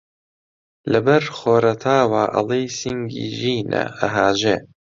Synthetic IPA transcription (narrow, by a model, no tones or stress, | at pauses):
lɐbɐɾxoːɾɐt̪ʰaːwaːʔɐ̰lˠejsiŋɡḭːʒiːnɐ̰ɐɦaːʒeː